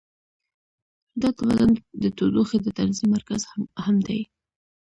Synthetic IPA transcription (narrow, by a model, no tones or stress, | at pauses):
d̪at̪awa̰zand̪ət̪od̪oxed̪ət̪anzimːaɾkazhamd̪aj